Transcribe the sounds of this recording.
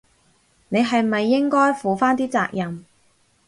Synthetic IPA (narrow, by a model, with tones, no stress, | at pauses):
ne˨˧jɦɐ˨jmɐ˨jːɪ˥ŋkɔː˥jfuː˨faː˥nt̪iː˥t͡sa̰ː˧k̚jɐ˨m